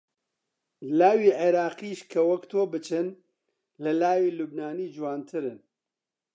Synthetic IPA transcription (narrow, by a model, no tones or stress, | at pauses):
laːwiːʕeɾaːqiːʃkʰɐwɐkt̪ʰoːbɨt͡ʃʰɨn | lɐlaːwiːlubnaːniːd͡ʒuwaːnt̪ʰɨɾɨn